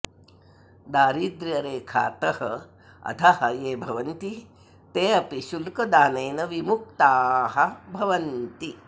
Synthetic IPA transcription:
d̪aːɾiːd̪ɾjɐɾeːkʰa̰ːt̪ɐhɐ | ɐ̰t̪ʰɐhɐjeːbʱɐʋɐnt̪i | t̪eːɐpiʃulkɐd̪aːnɐjnɐʋimuk̚t̪aːɦɐbʱɐʋɐnt̪i

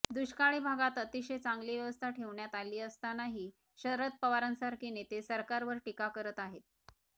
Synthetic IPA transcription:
d̪uɕkaɭiːbʱaɡat̪ət̪iɕet͡saŋɡliːʋjəʋəst̪ʰaʈʰeʋɳjat̪aliːəst̪anaɦiː | ɕəɾət̪̚pəʋaɾənsaɾkinet̪esəɾkaɾʋəɾʈikakəɾət̪aɦet̪̚

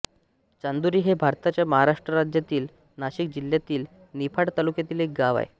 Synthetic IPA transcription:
t͡ɕand̪uɾiːɦebʱaɾt̪at͡ɕjaməɦaɾaʂʈɾəɾad͡ʑjat̪iːl | naɕik̚d͡ʑiljat̪iːl | nipʰaɽt̪alukjat̪iːlek̚ɡaʋa̰j

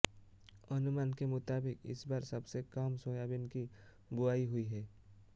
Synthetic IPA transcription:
ɐnʊmaːnkemʊt̪aːbɪkɪ̰sbaːɾsɐbsekamsõːjaːbɪnki | bʊaːiɦʊiɦɛː

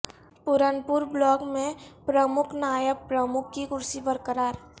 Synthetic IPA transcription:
pʊɾənpʊɾblɔːkmẽpɾəmʊkʰnaːjəb̚pɾəmʊkʰːiɡʊɾsibəɾkəɾaːɾ

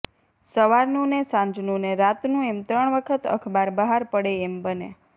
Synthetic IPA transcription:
səʋaɾnũnesãɲd͡ʒnũneɾat̪nũemt̪ɾəɳʋəkʰət̪ə̰kʰbaɾbəɦaɾpəɽeːmbənḛ

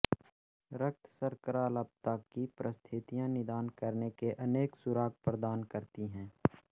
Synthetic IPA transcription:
ɾək̚t̪ʰsəɾkəɾaːləb̚t̪akipɾʔəst̪ʰɪt̪ijãnɪd̪aːnkəɾnekeʔəneːksʊɾaːɡ̚pɾəd̪aːnkəɾt̪iɦɛ̃ː

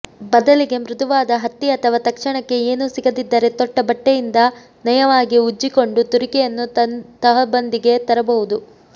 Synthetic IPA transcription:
bɐd̪ɐliɡe̞mɾud̪ɐʋaːd̪ɐɦɐt̪ːiɐt̪ʰɐʋaːt̪ɐkʂɐɳɐkːe̞eːnusiɡɐd̪id̪ːɐɾe̞t̪ɔʈːɐbɐʈːejind̪ɐ | nɐjɐʋaːɡiud͡ʒːiko̞ɳɖut̪uɾikɛjɐnːut̪ɐɦɐbɐnd̪iɡe̞t̪ɐɾɐbɐʋud̪u

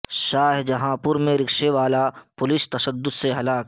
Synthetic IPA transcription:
ʃaːɦd͡ʒɐɦãpʊɾmẽɾɪkʃeʋaːlapʊlɪst̪ɐʃəd̪ːʊd̪seɦɐlaːk

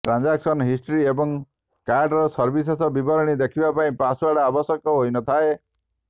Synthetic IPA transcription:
ʈɾand͡ʒaksɔnɦisʈɾiebɔŋ | kaɾɖɾɔsɔɾbisɔsɔbibɔɾɔɽ̃id̪ekʰibapaĩpaswaɽaːbɔsjɔkɔɦojnɔt̪ʰae

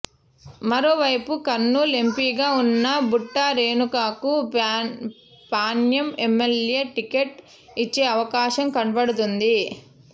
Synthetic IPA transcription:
mɐɾo̞ːʋɐjpukɐnːulempiːɡaːunːɐbuʈːaːɾeːnukaːku | paːnjɐmemːeljeːʈikeʈ | it͡ʃːeːɐʋɐkaːʃɐmkɐɳpɐɽut̪und̪i

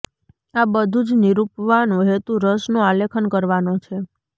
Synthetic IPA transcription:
abəd̪ʱũd͡ʒniɾupʋanõɦet̪uɾəsnũalekʰənkəɾʋanot͡ʃʰe

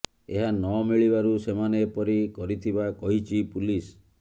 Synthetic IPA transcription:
eɦanɔmiɭibaɾusemanepɔɾikɔɾit̪ʰibakɔɦit͡ʃʰipulis

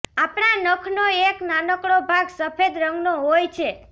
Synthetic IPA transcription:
apɳ̃anəkʰnoeknanəkɽobʱaɡsəpʰed̪ɾəŋɡnoɦojt͡ʃʰe

